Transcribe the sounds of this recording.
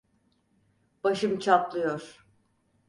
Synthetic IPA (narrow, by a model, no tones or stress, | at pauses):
b̥aʃɯmt͡ʃʰaplˠɯjoɾ̥